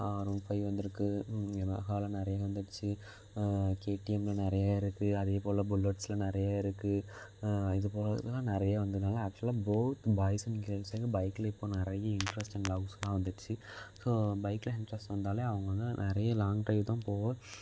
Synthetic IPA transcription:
aːɾoːnfɐɪʋɐnd̪ɯɾɯkːɯɛnɐ̰kaːlɐ̃nɪɾɐjaːʋɐnd̪ɯʈt͡ʃːɯ | keːʈːɪɛmlɐnɪɾɐjaːɪɾɯkːɯɐðeːpoːlɐbʊlːɐʈsɪlɐnɪɾɐjaːɪɾɯkːɯ | ɪðɯpoːlðlãːnɪɾɐjaʋɐnd̪ɯðnaːlɐːk̚t͡ʃlɪlaːboːt̪baːjsɐnɪŋɡɾeːlseɡɐbɐɪkːɯlɐɪpːoːnɪɾɐjɐɪɳʈɾɐsʈɛnlɐɡsɐlãːʋɐnd̪ɯt͡ʃːɯsoːbɐɪkːɪlɐɪɳʈɾɐsʈʋɐnd̪aːleːɐʋɐŋɡɐʋɐnd̪ɯnɪɾɐjɐlaːŋɡʈɐɪbt̪ãːpoːʋɐ

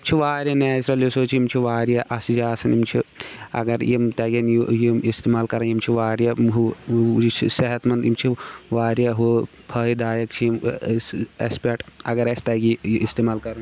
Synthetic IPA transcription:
t͡ʃʰiʋaːɾjɐnaːisɾɐljosoːt͡ʃʰijimt͡ʃʰiʋaːɾjaʔɐsid͡ʒaːsɐnimt͡ʃʰiɐ̰ɡɐɾjimt̪ɐɡʲɐnjujimist̪eːmaːlkɐɾɐnjimt͡ʃʰiʋaːɾjɐɦuit͡ʃʰiseɦɐt̪mɐnd̪imt͡ʃʰiʋaːɾjɐɦu | pʰɐːid̪aːjɐkt͡ʃʰiim | ɐ̰speʈɐɡɐɾest̪ɐɡʲiist̪eːmaːlkɐɾɐn

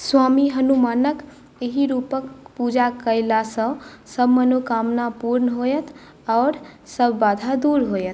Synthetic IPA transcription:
swamiɦənumanək | eɦiɾupəkpud͡ʒakəɪlasə̃səbʱmənokamnapuɾnəɦojət̪ʰ | ɔːɾsəbʱːad̪ʱad̪uɾɦojət̪̚ʰ

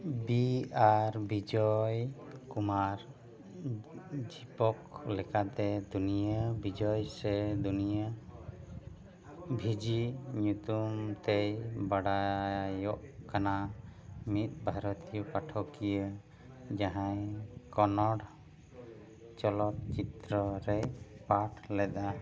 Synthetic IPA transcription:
biaɾbid͡ʒɔjkumaɾ | d͡ʒipɔklɛkat̪ɛd̪unijabid͡ʒɔjsɛd̪unija | bʱid͡ʒiɲut̪umt̪ejbaɽajɔʔkana | mit̪̚ˀbʱaɾɔt̪ijɔpaʈʰɔkijə | d͡ʒaɦãjkɔnɔɽ | t͡ʃɔlɔt̪̚t͡ʃit̪ɾɔɾɛjpaʈʰlɛd̪a

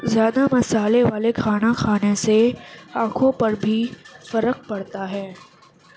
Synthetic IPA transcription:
zjaːd̪amɐsaːleʋaːlekʰaːñaxʰaːneseãːkʰõpɐɾbʱifɐɾəq̚pɐɽt̪aɦɛː

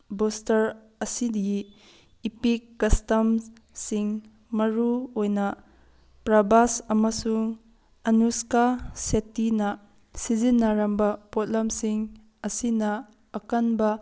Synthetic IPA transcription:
bostɐɾ | ɐsidiː | pikːɐstɐm | siŋ | mɐɾuojnɐ | pɾabasɐmɐsuŋ | ɐnuskasetːinɐ | sizinːaɾɐmbɐpot̚lɐmsiŋ | ɐsinɐː | kɐnbɐ

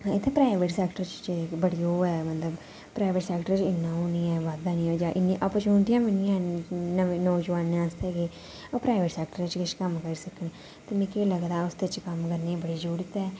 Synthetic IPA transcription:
ãɪt̪ʰːeːpɾaːɪʋeʈsɛːkʈəɾt͡ʃt͡ʃbəɽiːoːɛːmət̪ləb | pɾaːɪʋeːʈsɛːkʈəɾt͡ʃɪnːãːɦoːniːɛːʋaːd̪aːniːd͡ʒaːʔɪnːĩːʔəpːt͡ʃɦʊ̃nd̪ijãːmɪnijãːnəʋẽːnõːd͡ʒəʋaːnːeːãst̪eːɡeː | oːpɾaːɪʋeːʈsɛːk̚ʈəɾɪt͡ʃkɪt͡ʃkəmkəɾsəkneː | t̪əmẽːkeləɡd̪aːʊsd̪et͡ʃkəmkəɾneːɛ̃bəɽiːd͡ʒuːɽɪt̪ɛː

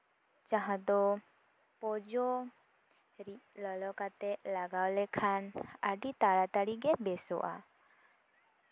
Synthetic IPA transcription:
t͡ʃaɦãd̪ɔ | pɔd͡ʒɔ | ɾiləlɔkat̪ɛlaɡawlɛkʰana̰ɖit̪aɭat̪aɽiɡɛbɛsɔ̰ʔa̰

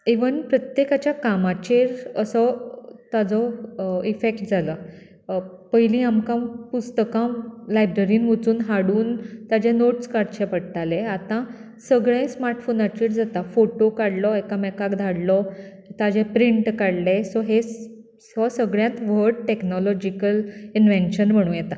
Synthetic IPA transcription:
eʋənpɾət̪jekat͡ɕjakamat͡ɕeɾəsɔt̪ad͡zɔifekʈ̚d͡zʱalə | pəjlĩamkãmpust̪əkãmlajbɾəɾiːnʋət͡suːnɦaɽuːnt̪ad͡ʑẽnoʈskaɾt͡ɕʰɛpəɽt̪alẽat̪ã | səɡɭẽsmaɾʈfonat͡ɕiʈd͡zat̪afoʈokaɽlɔekamɛkakd̪ʱaɽlɔ | t̪ad͡ʑepɾiɳʈkaɽlesɔɦes | sɔsəɡɭjãt̪ʋəɾɖʈeknɔlɔd͡ʑikəlinʋenɕənm̤əɽ̃ũːjɛt̪a

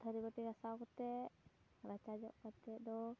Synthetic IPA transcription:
t̪ʰəɾibəʈiɡasakɔt̪ɛ | ɾat͡ʃad͡ʒɔ̰ʔkat̪ɛd̪ɔ

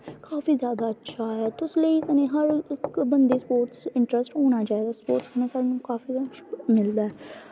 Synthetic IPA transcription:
kaːfiːzjaːd̪aːətːʃʰaːɦɛːt̪ʊsləisənẽːɦəɾɪkbənd̪eːspoːɾʈsɪɳʈɾəsʈɦoːñaːt͡ʃaːeːɡ̪aːspo̰ːɾʈsənẽsaɽnũːkaːfiːʃmɪld̪aːɛː

